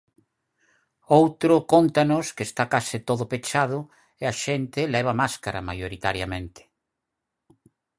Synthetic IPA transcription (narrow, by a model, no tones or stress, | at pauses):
owt̪ɾʊkont̪anoskest̪akasɪt̪oðʊpet͡ʃað̞ʊ | ɪaʃent̪ɪlɛβ̞amaskaɾa̰ma̰joɾit̪aɾjamẽnt̪ɪ̥